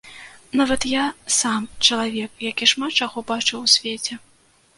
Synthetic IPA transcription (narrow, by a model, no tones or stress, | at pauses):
navɐt̪jasamt͡ʂɐlˠavʲɛk̚jakʲiʂmat̪̚t͡ʂaɣɔbat͡ʂɨwsʲvʲet͡sʲɛ